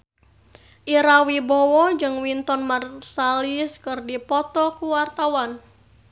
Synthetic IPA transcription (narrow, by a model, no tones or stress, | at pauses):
ʔiɾawibɔwɔd͡ʒɨŋwint̪ɔnmarsaliskɨrdipɔt̪ɔkuwart̪awan